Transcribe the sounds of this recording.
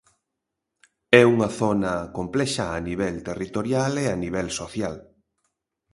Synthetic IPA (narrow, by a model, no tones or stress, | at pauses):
ɛuŋɐθonɐkomplɛʃaːniβ̞ɛlt̪erit̪oɾjaleaniβ̞ɛlsoθjal